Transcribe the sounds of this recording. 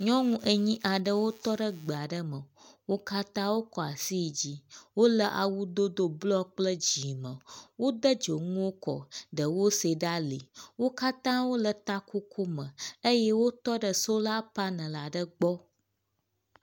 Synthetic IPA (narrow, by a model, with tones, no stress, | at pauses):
ɲɔ̃˦ŋũ˦ʔə˨ɲĩ˦ʔa˨ɖə˦wo˦t̪ɔ˦ɖə˦ɡ͡be˨a˨ɖə˦mə˨wo˦ka˦t̪ã˦wo˦kɔ˨a˨si˦˨d͡ʑi˦wo˦lə˦ʔa˨wu˦d̪o˦d̪o˦blɔ˦k͡plə˦d͡ʑi˨mə̃˨wo˦d̪ə˦d͡ʒo˨ŋũ˦wo˦kɔ̰˨ɖə˨wo˦se˨ɖa˦le˨wo˦ka˦t̪ã˦wo˦lə˨t̪a˦ko˦kʰo˦mə̃˨ə˦jɛ˦wo˦t̪ɔ˦ɖə˨so˦la˦pa˦nə̃˨la˨ɖə˦ɡ͡bɔ˦